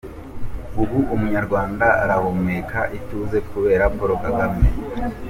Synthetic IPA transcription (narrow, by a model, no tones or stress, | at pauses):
uβuʔumuɲaɾɡwaːndaaɾaβo̞mekʰaʔituze̞kʰuβe̞ːɾapo̞ɾokaɡame